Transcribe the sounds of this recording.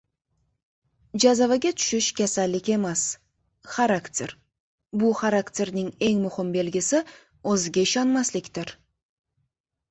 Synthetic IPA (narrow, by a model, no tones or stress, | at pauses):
ʒɑzɑvɑɡʲet̪ʰʏ̥ʃɪʃkʲʰæsælːɪkʲe̞mas | χaɾakt̪ʲe̞ɾ | bʊχaɾakt̪ʲe̞ɾnɪŋe̞ŋmʊhɪmbe̞lɡʲɪsɪ | wɵzɪɡʲeʃɑnmɑslɪkʲt̪ɪɾ